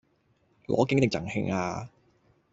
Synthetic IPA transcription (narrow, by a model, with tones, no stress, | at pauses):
lɔ̰ː˨˥kɪ˨˥ŋt̪ɪ˨˩t͡sɐ˨˩ŋhɪ̰˧˥ŋaː˧